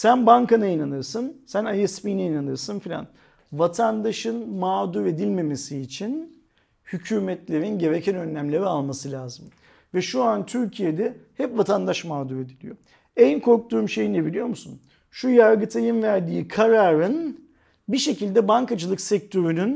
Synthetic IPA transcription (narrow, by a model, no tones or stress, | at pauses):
sænbaŋkanajinanɯɾsɯnsænajɛspijnɛjinanɯɾsɯnfilʲa̰n | vat̪ʰand̪aʃɯnmaːd̪uɾe̞d̪ilʲme̞me̞siːt͡ʃʰin | hycʰyːmɛt̪lʲe̞ɾinɟe̞ɾecʰɛnø̞nlʲæmlʲeɾialˠmasɯlʲaːzɯm | vɛʃuant̪ʰyɾcʰije̞d̪ɛhɛpvat̪ʰand̪aʃmaːd̪uɾe̞d̪ilʲijo | ɛnkʰo̞ɾk̚t̪ʰuːmʃejinlʲebilʲijo̞ɾmusṵn | ʃujaɾɡɯt̪ʰajɯnvæɾd̪iːkʰaɾaɾɯn | biʃe̞cilʲd̪ɛbaŋkad͡ʒɯlˠɯksɛk̚t̪ʰø̞ɾynyn